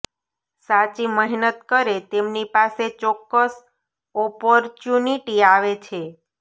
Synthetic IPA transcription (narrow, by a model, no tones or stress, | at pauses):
sat͡ʃiməɦnət̪kəɾet̪emnipaset͡ʃɔkːəs | ɔpɔɾt͡ʃjuniʈiaʋet͡ʃʰe